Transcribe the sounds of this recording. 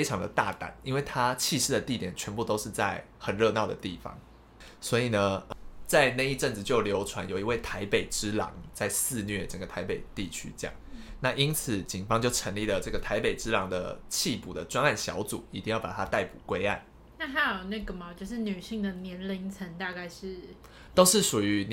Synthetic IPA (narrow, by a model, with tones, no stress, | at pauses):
fe˥ɪʈ͡ʂʰɑ˧˥ŋd̪ə̰˧t̪a̰˥˧t̪a̰˨˩˦ni˥nwe˥˩ɪt̪ʰa˦t͡ɕʰi˥˧ʂɻ̩˥˩d̪ə˩t̪i˥˩t̪jɛ˨˩nt͡ɕʰɥɛ˧˥npu˥˩t̪o˥ʊʂɻ̩˥˧t͡sa˥˩ɪ | xə˨˩nɻɤ˥˧nɑ˥˩ʊd̪ə̰˩t̪i˥˩fɑ̰˦ŋ | swɔ˧˥i˨˩nə˦t͡sa˥˧ɪne˥˧ɪi˥˧ʈ͡ʂə˥˩ŋt͡s̩˩t͡ɕjo˥˩ʊljo˧˥ʊʈ͡ʂʰwa˧˥njo˨˩ʊi˧˥we˥˩ɪt̪ʰa˧˥ɪpe˨˩ɪʈ͡ʂɻ̩˦˥lɑ̰˨˧˥ŋt͡sa˥˧ɪsɹ̩˥˧nɥɛ˥˩ʈ͡ʂə˨˩ŋɡə˩t̪ʰa˧ɪpe˨˩ɪt̪i˥˨˩t͡ɕʰy̰˥˦jɑ̰˥˩ŋna˥˩ʔi˥nt͡s̩ʰ˨˩˦t͡ɕi˨˩ŋfɑ˥ŋt͡ɕjo˥˩ʊʈ͡ʂʰə˧˥ŋli˥˩lə˩ʈ͡ʂɤ˥˩ɡə˩t̪ʰa˧˥ɪpe˨˩ɪʈ͡ʂɻ̩˥lɑ˧˥ŋd̪ə̰˧t͡ɕʰi˥˧pu˨˩d̪ə˩ʈ͡ʂwa˥na˥˩nɕjɑ̰˧˥ʊt͡sṵ˨˩i˧˥t̪i˥˧ŋjɑ˥˩pa̰˨˩t̪ʰa˥t̪a˥˩ɪpṵ˨˩kwe˥ɪa̰˥˩n | na˥˩t̪ʰa˥jo˨˩ʊna˥˩ɡə˨˩ma˨˩t͡ɕjo˥˧ʂ̬ɻ̩˥˩ny˨˩ɕi˥˩ŋd̪ə˩njɛ˧˥nli˧˥ŋt͡sʰə˧˥nt̪a˥˧ka˥˧ɪʂɻ̩˥˩ | t̪o˥ʊʂɻ̩˥˩ʂu˨˩y˧˦n